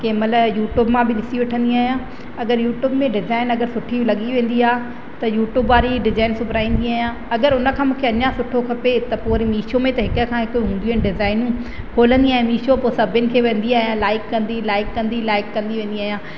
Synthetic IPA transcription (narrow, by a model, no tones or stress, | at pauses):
kemələjuːʈjuːbmãbɪnɪsiʋɪʈʰə̃nd̪iaːɦijãː | ɐɡəɾjuːʈjuːbmẽɖɪzaːɪnɐɡəɾsʊʈʰilɐɠiʋẽːn̆d̪iaː | t̪ɐjuːʈjuːbʋaːɾiɖɪzaːɪnsʊbʱɾaːĩːn̆d̪iaːɦjãː | ɐɡəɾʊnə̆kʰãːmũːkʰeɐɲãsʊʈʰokʰɐpet̪ɐpoːɾimiːʃomẽt̪ɐɦɪkəkʰãːɦɪkoɦũːnd̪iːɪnɖɪzaːɪnũ | kʰoːlə̃nd̪iaːɦĩmiːʃoposɐbʱʊnɪ̆kʰeːʋẽːn̆d̪iaːɦijãlaːɪkːɐ̃nd̪ilaːɪkːɐ̃nd̪ilaːɪkːɐ̃nd̪iʋẽːnd̪iaːɦjãː